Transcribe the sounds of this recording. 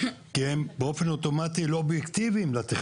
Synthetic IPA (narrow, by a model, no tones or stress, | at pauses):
kiembeofe̞not̪o̞mat̪iloobjekt̪iviːmlat̪eχ